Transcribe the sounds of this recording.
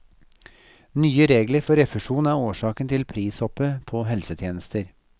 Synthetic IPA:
nyːəɾeːɡləɾfɔɾɛfəʂuːnæɾoːʂɑːkənt̪ʰɪlpʰɾiːsɔpəpʰoːɦɛlsət̪ʰjeːnəst̪əɾ

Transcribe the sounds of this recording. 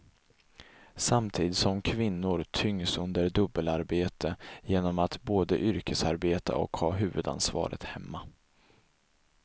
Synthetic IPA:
samt̪ʰiːd̪ɪt̪sɔmkʰvɪnːʊɾt̪ʰʏŋːsɵnd̪əɾɖɵbːəlaɾbeːt̪ʰəjeːnɔmat̪boːd̪ə̰ʔʏɾkəsaɾbeːt̪ʰa̰ɔ̰khɑːɦʉ̟ːvɵd̪a̰nsvɑ̰ːɾʔə̰t̪hɛmːa

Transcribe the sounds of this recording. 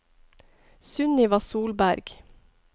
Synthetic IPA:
sʉniːʋɑːsuːlbæɾɡ̥

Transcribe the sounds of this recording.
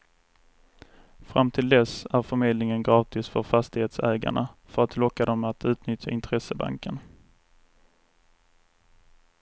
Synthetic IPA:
fɾamːt̪ʰɪld̪ɛsæɾfœɾmeːd̪lnɪŋənɡɾɑːt̪ɪsfœɾfast̪ɪheːt̪sɛːɡa̰ɳafœɾat̪lɔkːad̪ɔmat̪ʰʉ̟ːt̪nʏt̪ʰja̰ɪnt̪ʰɾɛsəba̰ŋkən

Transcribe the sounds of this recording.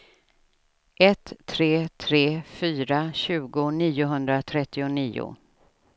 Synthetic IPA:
ʔɛt̪ʰːɾeːt̪ʰɾeːfyːɾaɕʉ̟ːɡʊniːʊɦɵnd̪ɾat̪ʰɾɛt̪ːɪʊniːʊ̰

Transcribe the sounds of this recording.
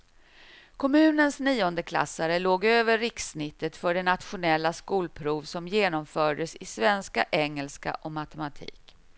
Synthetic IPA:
kʰɔmʉ̟ːnənsniːɔnd̪əkʰla̰sːaɾəloːɡøːvəɾːɪksnɪt̪ːət̪fœɖɛnat̪ɧʊnɛlːaskuːlpʰɾuːvsɔmjeːnɔmfœːɖəsɪsvɛnskaʔɛŋːɛlska̰ʔɔmat̪ɛmat̪ʰḭːk

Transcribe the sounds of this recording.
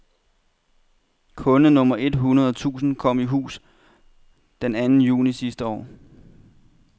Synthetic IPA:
kʰɔ̽nənɔ̽mɐʔe̝d̥ɦunɐð̞ˠɒt͡sʰṵːsn̩kʰɒ̽m̰iɦṵːs | d̥enænn̩jṵːnisisd̥əɒ̰ː

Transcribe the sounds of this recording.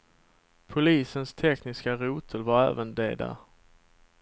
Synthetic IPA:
pʰʊliːsənst̪ʰɛknɪskaɾuːt̪ʰəlvaɾæ̰ːvənd̪ḛːd̪a̰

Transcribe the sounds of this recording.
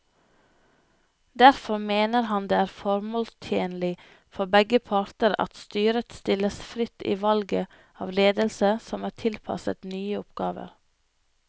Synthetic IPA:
d̪æɾfɔɾmeːnəɾhɑnd̪eːæːɾfɔɾmoːlst̪ʰjeːnlɪ | fɔbɛɡəpʰɑɾt̪əɾɑ̰t̪st̪yːɾət̪st̪ɪləsfɾɪt̪ḭːʋɑlɡə | ɑ̰ːʋleːd̪əlsəsɔmæːtʰɪlpʰɑ̰sə̰t̪nyːəɔpɡ̥ɑːʋə̰ɾ

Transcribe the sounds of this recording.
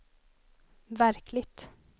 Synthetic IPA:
væɾklɪɡt̪

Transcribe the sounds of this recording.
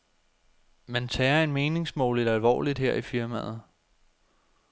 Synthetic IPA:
mænt͡sʰɛːɐe̝nme̝ːne̝ŋsmɔ̰ːlidælʋɒ̰ːlid̥heɐ̰ʔifiɐmæ̰ːð̞̩ˠ

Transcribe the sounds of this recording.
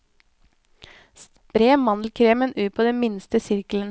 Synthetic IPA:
s | pɾeːmɑnl̩kʰɾeːmənʔʉːt̚pʰoːd̪ɛnmɪnst̪əsɪɾklən

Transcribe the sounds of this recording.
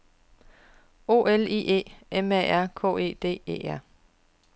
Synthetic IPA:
o̝ːelḭːʔe̝̰ːemæ̰æɐ̰kʰɔ̰̽ːe̝̰ːd̥e̝̰ːḛːæɐ̰

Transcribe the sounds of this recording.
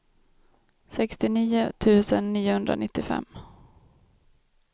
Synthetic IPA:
sɛkst̪ɪniːʊt̪ʰʉ̟ːsənːiːʊhɵnd̪ɾa̰nɪt̪ːɪfɛ̰mː

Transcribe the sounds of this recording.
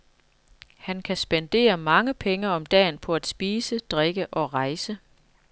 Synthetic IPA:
hænkʰæsb̥end̥e̝̰ːɐmɑ̈ŋəpʰeŋəɒ̽md̥ɛ̰ːnpʰɒ̽æd̥sb̥iːsəd̥ʁeɡ̥əʔɒ̽ʁɑ̈ɪsə

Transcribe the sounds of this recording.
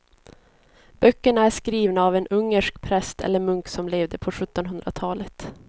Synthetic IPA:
b̥œkːəɳaæʂkɾiːvnaːvɛnɵŋːəʂkpʰɾɛst̪ɛ̰lːəɾmɵŋksɔmleːvd̪əpʰɔɧɵt̪ːɔnɦɵnd̪ɾat̪ʰɑːlət̪

